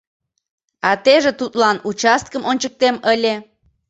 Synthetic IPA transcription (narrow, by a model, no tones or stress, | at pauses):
ɑt̪eʒet̪ut̪lɑnut͡ɕɑst̪̚kəmʔonʲt͡ɕək̚t̪eməlʲe